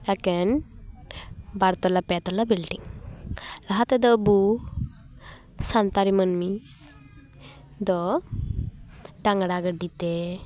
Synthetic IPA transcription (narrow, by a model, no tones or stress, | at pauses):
ɛkɛn | baɾt̪ɔlapɛt̪ɔlabilɖiŋ | laɦat̪ɛd̪ɔbu | sant̪aɾimənmi | d̪ɔ | ɖaŋɡɽaɡəɖit̪ɛ